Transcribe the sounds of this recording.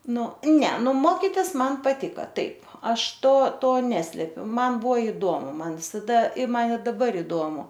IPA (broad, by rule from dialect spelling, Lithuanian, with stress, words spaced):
ˈnʊ ˈnʲɛ ˈnʊ ˈmoːkʲɪtʲɪs ˈmɐn pɐˈtʲɪkɐ ˈtɐɪp ˈɐʃ ˈtoː ˈtoː ˈnʲæːsʲlʲɛpʲʊ ˈmɐn ˈbuɔ ɪˈdoːmʊ ˈmɐn ʋʲɪsɐˈdɐ ɪ ˈmɐn ɪ dɐˈbɐr ɪˈdoːmʊ